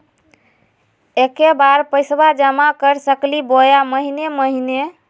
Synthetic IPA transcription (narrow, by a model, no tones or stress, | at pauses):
ekebaɾpəjsbad͡ʒəmakəɾsəklibojaməɦineməɦine